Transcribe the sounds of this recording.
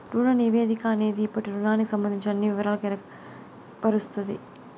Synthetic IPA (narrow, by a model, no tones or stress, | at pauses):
ɾuːɽɐniʋeːðikaːneːðiːpːɐʈːiɾunaːnikɯsɐmbɐnd̪ɪɲt͡ʃːɐɐnːiʋɪʋɐɾaːɭkɛɾɐk | pɐɾɯst̪it̪ḭ